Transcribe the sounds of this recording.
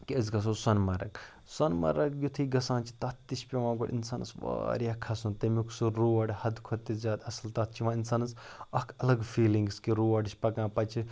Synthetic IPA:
kiɐzɡɐs̬osɐnmɐɾɐ̰k | sɐnmɐ̰ɾɐkjut̪ʰiɡɐsãːnt͡ʃʰi̥t̪ɐt̪ːiʃpʲeʋãːɡoɽḭnsaːnɐ̰sʋa̰ːɾjɐkʰɐsunt̪ɐmikʰsuɾuːʋɐɖhɐd̪kʰot̪ːizʲaːd̪ɐslt̪ɐt̪̚ʰt͡ʃʰiʋãːinsaːnɐs | ɐkʰɐlɐɡfʰiːlĩŋɡskiɾuːʋɐɖt͡ʃʰʲpɐkãːpɐt͡ʃʰi

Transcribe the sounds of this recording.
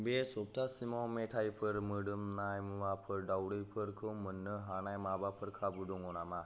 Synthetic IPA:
besop̚t̪ʰasimɔwmeʈʰajpʰəɾməɽəmnajmuʋapʰəɾɖawɽəjpʰəɾkʰəmːənːəɦanajmabapʰəɾkʰabud̪uŋɡɔnama

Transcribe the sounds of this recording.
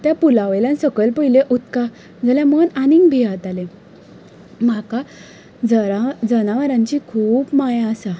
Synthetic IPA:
t̪japulaʋeljansəkəlpəileʔut̪ka | d͡zəljãmənaniŋɡbʱiat̪ale | maka | d͡zəad͡zənaʋəɾãɲt͡ɕikʰuːpmajãsa

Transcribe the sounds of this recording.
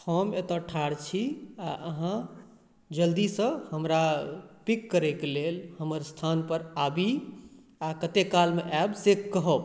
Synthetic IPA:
pʰɔmet̪ɔʈʰaɽt͡ʃʰiaʔəɦã | d͡ʒəld̪isə̃həmɾapikːəɾɛkelelhəməɾst̪ʰanpəɾabi | akət̪ekːalmeʔɛbsekːəɦəb

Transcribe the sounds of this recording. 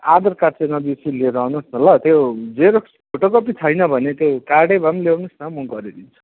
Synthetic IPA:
ad̪ʌrkaɾt͡senʌbisileɾʌɦnusnʌlʌt̪jowd͡zeɾok | pʰoʈokʌpit͡sʰʌjnʌbʱʌnet̪jokaɽebʱʌmlewnusnʌmʌɡʌɾid̪int͡sʰu̥

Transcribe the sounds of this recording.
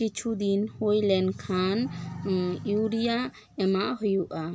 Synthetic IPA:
kit͡ʃʰud̪inhojlɛnkʰan | juɾija | ɛmaʔɦɔjuʔa

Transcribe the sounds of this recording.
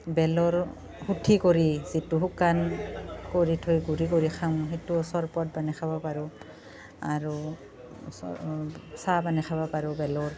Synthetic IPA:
bɛlɔɹ | hutʰikoɹizituɦukankoɹitʰojɡuɹikoɹixʰamɦetusɔɹpɔt̚banɛkʰabapaɹɔ | aɹu | sabanɛxʰabapaɹɔbɛlɔɹ

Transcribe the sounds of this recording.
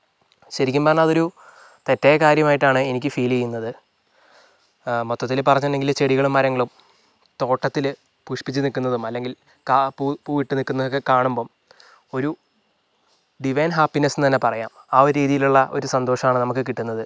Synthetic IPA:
ɕɐɾikʲːumbɐːɐnaɐðo̞ɾu | t̪e̞tːejɐkaːɾjɐmaːjiʈːaːɳɨe̞nikʲːɨfiːlejunːɐðɨ | mot̪ːɐt̪ːilpɐrɐɲːɐnːeŋɡilt͡ɕeɽiɣɐɭumːɐɾɐŋːɐɭum | t̪o̞ːʈːɐt̪ːil | puʂpit͡ɕːɨnikːunːɐðumɐlːe̞ŋɡil | kapupuːjiʈːɨnikːunːɐðokːekaːɳumbo̞ː | o̞ɾu | ɖiʋɐjnɦaːpːinesnɨt̪ɐnːe̞pɐrɐja̰ːmaːoɾɾiːðijiluɭːɐʔo̞ɾusɐnd̪o̞ːʂɐmaːɳɨnɐmukːɨk̬iʈːunːɐðɨ

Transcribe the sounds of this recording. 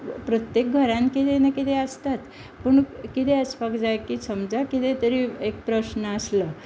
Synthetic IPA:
pɾət̪jek̚ɡʱəɾãnkit̪enakit̪eəst̪at̪ | pəɳkit̪eəspakd͡zajkiːsəmd͡zakit̪et̪əɾiek̚pɾəsnəəslə

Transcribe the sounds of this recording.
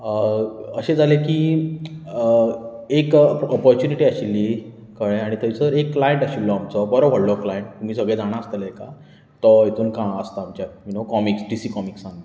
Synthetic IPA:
əɕẽd͡zʱalekiː | ekɔpɔɾt͡ɕuniʈiaɕilːi | kəɭẽaɽ̃it̪əit͡səɾekːlajeɳʈaɕilːɔamt͡sɔbɔɾɔʋ̤ʱəɽlɔklajeɳʈ̚t̪um̤iːsəɡɭẽd͡zʱaɽ̃aəst̪əleka | t̪ɔjet̪uːnkãəst̪aːmt͡ɕjaminokɔmiksɖisiːkɔmiksãŋ

